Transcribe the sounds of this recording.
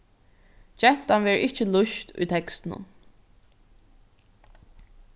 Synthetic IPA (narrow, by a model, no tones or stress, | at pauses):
d͡ʒɛt̪anʋɛːɹɪt͡ʃəlʊʃt̪ʊ̰jt̪ʰɛkst̪ɪnʊ̰n